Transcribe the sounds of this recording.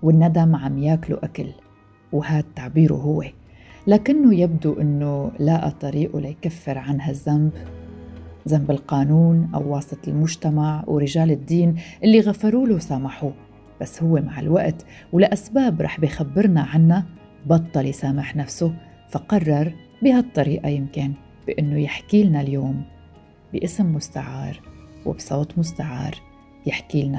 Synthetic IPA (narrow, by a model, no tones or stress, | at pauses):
wɪnːad̪amʕamjaːklṵʔakal | whaːd̪̚t̪ːaʕbiːɾṵɦʊwːe | laːkɪnːojɪb̚d̪uʔɪnːolaʔt̪ˤːɑɾiːʔulajkafːɪɾʕanɦazːamb | zambɪlqɑːnuːnʔa̰wːɑːsˤɨt̪ˤɪlmʊʒt̪amaʕwɾɪʒaːlɪd̪ːiːnʔɪlːiɣafɑɾuːluwsaːmaħu | b̥asːhʊwːemaʕɪ̰lwaʔt̪ | wlʔasbaːbɾˤɑ̰ːħbijxabːɪɾnaʕanːa | bɑt̪ˤːɑlisaːmɪħnafsʊ | faqɑrˤːɑɾˤ | bihat̪ˤːɑɾiːʔajɪmkɪn | b̥ɪʔɪnːojɪħkiːlnaljoːm | bɪʔɪsmːʊst̪aʕɑ̰ːɾˤwɪ̰bsˤoːt̪ˤmʊst̪aʕɑ̰ːɾˤ | jɪħkiːlna